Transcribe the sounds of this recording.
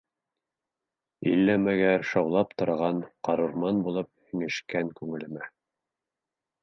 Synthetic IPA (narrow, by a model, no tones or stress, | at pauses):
ḭlːæmæɡæʃɑwlˠɑp̚t̪ŏɾʁɑnqɑɾɤɾmɑnbulˠɤp̚ɘ̆ŋɘ̆ʃkæŋkʉŋɘ̆lɘ̆mæ